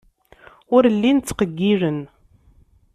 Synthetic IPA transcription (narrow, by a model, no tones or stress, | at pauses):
ʊɾlːint͡sːqəɡːiɾən